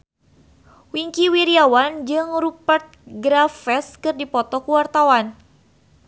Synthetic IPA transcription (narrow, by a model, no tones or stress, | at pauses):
wiŋkiwiɾiawand͡ʒɨŋɾupərt̪̚ɡɾafɛskɨrdipɔt̪ɔkuwart̪awan